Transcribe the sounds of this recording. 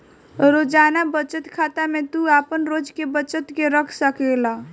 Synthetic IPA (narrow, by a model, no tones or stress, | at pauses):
ɾod͡ʒaːnabət͡ʃət̪kʰaːt̪amẽt̪uapənɾod͡ʒkebət͡ʃət̪keɾəkʰsəkela